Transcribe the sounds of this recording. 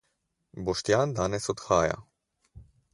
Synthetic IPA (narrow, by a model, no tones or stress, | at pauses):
bɔʃt̪jaːnd̪aːnɛsɔt̪xaːja̰